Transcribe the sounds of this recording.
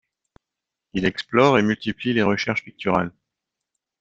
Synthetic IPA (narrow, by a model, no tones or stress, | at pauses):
ilɛksplɔʁemylt̪iplileʁəʃɛʁʃpik̚t̪yʁa̰l